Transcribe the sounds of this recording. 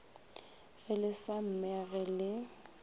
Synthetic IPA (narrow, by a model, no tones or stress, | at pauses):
ɣɪlɪsam̩mɛɣɛlɪ